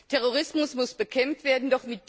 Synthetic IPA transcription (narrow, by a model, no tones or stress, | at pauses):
tʰɛʁ̞oʁ̞ɪsmʊsmʊsb̥əkʰɛmftv̥eːɐdn̩dɔχmɪt̚d̥